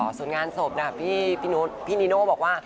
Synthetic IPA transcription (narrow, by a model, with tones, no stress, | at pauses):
su˨˩˦ə˦nŋaː˧nso˨˩p̚na˧˩pʰiː˥˩pʰiː˥˩nuː˦˥pʰiː˥˩ni˨˦noː˥˩bɔː˨˩k̚waː˥˩